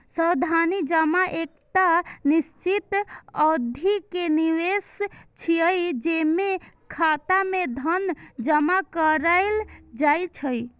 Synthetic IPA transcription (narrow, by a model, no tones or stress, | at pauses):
səd̪ʱanid͡ʒəmaʔek̚t̪anist͡ʃit̪əd̪ʱikeniʋest͡ʃʰiəjd͡ʒeme | kʰat̪amed̪ʱənd͡ʒəmakəɾaɪld͡ʒajt͡ʃʰəj